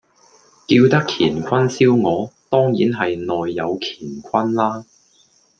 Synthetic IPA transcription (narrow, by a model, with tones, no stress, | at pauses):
kiː˧wt̪ɐ˥kʰiː˨˩nkʰɐ˥nsiː˥wŋɔː˨˧t̪ɔː˥ŋjiː˨˥nɦɐ˨jnɔː˨jːɐ˨˧wkʰi̥ː˨˩nkʷʰɐ˥nlaː˥